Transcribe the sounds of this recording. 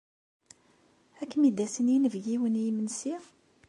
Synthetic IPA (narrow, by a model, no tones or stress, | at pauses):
ækːmid̪æsənjinəvɡiwənjimənsi